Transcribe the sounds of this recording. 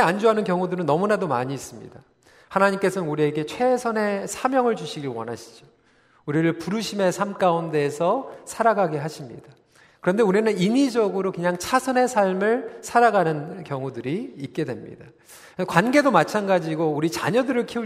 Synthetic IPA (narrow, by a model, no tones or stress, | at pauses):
and͡ʑoɦanɯnkjʌŋudɯɾɯnːʌmunadoma̰ɲiːs͈ɯmɲḭda | hanaɲimk͈e̞sʰʌnnuɾie̞ɡe̞t͡ɕʰwe̞sʰʌne̞sʰamjʌŋɯɭd͡ʑuɕʰiɡiwʌnɦaɕʰi̥d͡ʑo | uɾiɾɯɭpuɾuɕʰime̞sʰamk͈aunde̞ːsʰʌsʰaɾaɡaɡeɦaɕʰimɲḭd̥a | kɯɾʌnde̞uɾinɯninid͡ʑʌɡɯɾokɯɲaŋt͡ɕʰasʰʌne̞sʰaɭmɯɭsʰaɾaɡanɯnkjʌŋudɯɾiːt̚k͈e̞dwe̞mɲḭda | kwanɡe̞domat͡ɕʰanɡad͡ʑiɡouɾit͡ɕa̰ɲʌdɯɾɯɭkʰiu